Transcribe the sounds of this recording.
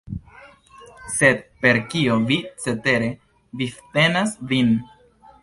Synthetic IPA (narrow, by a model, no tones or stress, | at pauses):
se̞d̪pe̞ɾkiovit͡se̞te̞ɾe̞ | vifte̞nasvin